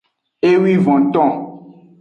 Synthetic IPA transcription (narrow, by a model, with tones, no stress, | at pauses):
e˦wi˦vɔ̃˨t̪ɔ̃˦˨